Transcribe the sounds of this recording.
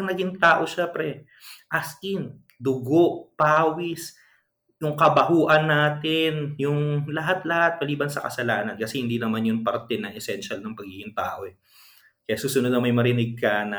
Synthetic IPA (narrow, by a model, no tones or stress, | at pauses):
ŋnɐɡiŋt̪aːʔo̞ʃɛmpɾɛ | ʔɐskɪn | d̪ʊɡoʔpaːwɪs | jʊŋkɐbɐhuːʔɐnːaːt̪ɪnjʊŋlɐɦat̪lɐhat̪̚pɐliːbɐnsɐkɐ̰sɐlaːnɐnkɐsɛhɪnd̪inɐmanjʊŋpɐɾt̪ɛnɐŋʔɛsɛnʃalnɐŋpɐɡ̚hiːhɪnt̪a̰ːʔo̞ɛ | kɐjasuːsʊnod̪̚nɐmɐjmɐɾɪnɪɡ̚kɐnɐ